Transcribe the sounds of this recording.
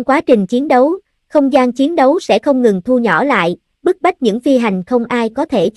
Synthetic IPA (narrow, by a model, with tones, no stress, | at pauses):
kwaː˨˦t͡ɕï˨˩ŋ̟t͡ɕi˨˦ənɗə˨˦w | xə˧wŋ͡mzaː˧nt͡ɕi˨˦ənɗə˨˦wsɛ̰˧˥xə˧wŋ͡mŋɨ˨˩ŋt̪ʰu˧ɲɔ˧˩la̰ː˧˨j | ɓɨ˦˥ək̚ɓa˦˥jk̚ɲɨ̰˧˥ŋfi˧ɦa˨˩jŋ̟xə˧wŋ͡mʔaː˧jkɔ˨˦t̪ʰe˧˩